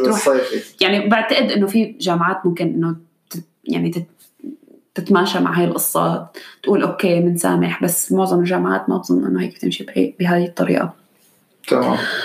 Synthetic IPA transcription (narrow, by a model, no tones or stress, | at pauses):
ɾuːħɑjfijaʕnibɪʕt̪aʔɪd̪ʔɪnːofiʒaːmʕaːt̪mʊmkɪnʔɪnːo | t̪ɪ | ja̰ʕnit̪ɪ | t̪ɪt̪maːʃama̰ʕɦaːjɪlʔɨsˤːɑ̰ːt̪t̪ːʔuːlʔoːkeːmɪnsa̰ːmɪħbasːmʊʕzˤɑmɪlʒaːmʕa̰ːt̪mabzˤʊnːʔɪ̰nːoheːkt̪ɪ̰mʃib̰bɪɦaːjɨt̪ˤːɑɾḭːʔa̰ | t̪ʰama̰ːm